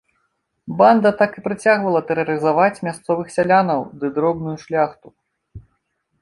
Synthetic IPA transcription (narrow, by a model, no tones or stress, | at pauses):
band̪ɐt̪akɨpɾɨt͡sʲaɣvɐlˠɐt̪ɛɾɐɾɨzavat͡sʲmʲast̪sɔvɨxsʲalʲanɐwd̪ɨd̪ɾɔbnujuʂlʲaxt̪u